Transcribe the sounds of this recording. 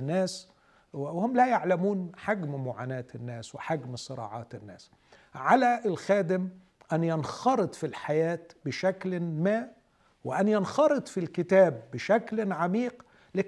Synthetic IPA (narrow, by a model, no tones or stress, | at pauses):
nːæːs | whʊmlæjaʕlamuːnħaɡmmʊʕa̰ːnæːt̪ɪnːæːswɪħaɡmsˤɨɾˤɑ̰ːʕɑ̰ːt̪ɪnːæːs | ʕalæʔɪlxæːd̪ɪm | ʔænjɑnxɑɾˤɨd̪ˤfilħajæːt̪bɪʃæklmaː | wɪʔænjɑnxɑɾˤɨd̪ˤfilkɪt̪æːbːɪʃæklʕamiːq | lɪ